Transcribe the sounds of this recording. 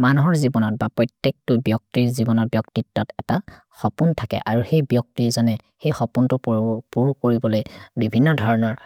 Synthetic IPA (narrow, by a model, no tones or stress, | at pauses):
manuɦɔɹzibɔnɔt̚bapɹɔjtjek̚tʊbjɔk̚tiɹzibɔnɔɹbjɔktitːɔtɛta | xɔpuntʰakɛ̰ʔaɹuxejbjɔk̚tizanɛ | xejxɔpuntʊpuɹkoɹibɔlojbibʱinːɔdʱɔɹɔnɔɹ